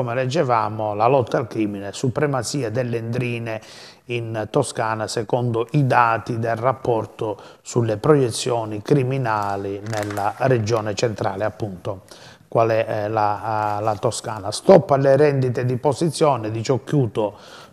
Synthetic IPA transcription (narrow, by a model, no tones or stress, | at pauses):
kɔmɛlɛd͡ʒːɛvaːmolalɔt̪ːalkɾiːminɛsupɾɛmat̪siːad̪ɛlːend̪ɾiːne | int̪ɔskaːnasɛkɔnd̪oʔid̪aːt̪id̪ɛlrapːɔrt̪osulːepɾɔjɛt̪sːjɔːnikɾiminaːlinɛlːarɛd͡ʒɔːnɛt͡ʃɛnt̪ɾa̰ːlɪapːunt̪o | kwalɛlalat̪oska̰ːnast̪ɔpːalɛɾɛnd̪it̪ed̪iposit̪sːjɔːnɛd̪it͡ʃokːjuːt̪o